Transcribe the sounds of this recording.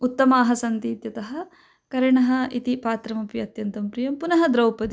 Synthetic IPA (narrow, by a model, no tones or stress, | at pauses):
ut̪ːɐmaːɦɐsɐnt̪iːt̪jɐt̪ɐɦɐ̆ | kɐɾɐɳɐɦɐ̆it̪ipaːt̪ɾɐmɐpjiɐt̪jɐnt̪ɐmpɾijɐmpunɐɦɐd̪ɾɐwpɐd̪i